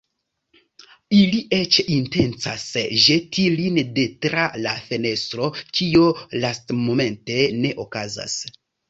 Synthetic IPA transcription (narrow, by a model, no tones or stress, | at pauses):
iliʔe̞t͡ʃinte̞nt͡sasʒe̞tʰilinde̞tɾalafe̞ne̞stɾo̞kiolastmo̞me̞nte̞ne̞ʔo̞kaza̰s